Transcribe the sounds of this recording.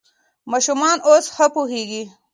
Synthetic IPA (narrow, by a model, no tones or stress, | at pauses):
maːʃumɑːnoːsxɐpuɦeːɡi